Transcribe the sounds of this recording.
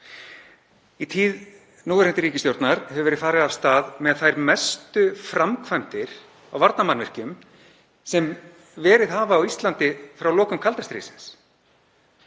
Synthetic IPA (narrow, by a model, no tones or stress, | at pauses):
it̪ʰiːð | nuːðɾɛnt̪ɪɾiːcɪst̪jowɾt̪naɾ̥hɛvʏvɛɾɪðfaːɾɪðav̥st̪aːðmɛðθajɾmɛst̪ʏfɾamkʰvajmt̪ɪɾ̥ | awvaɾt̪namanvɪr̥cʏm | sɛm | vɛːɾɪðɦaːvaːwist̪lant̪ɪfɾawlɔːkʏmkʰalt̪ast̪ɾḭsɪns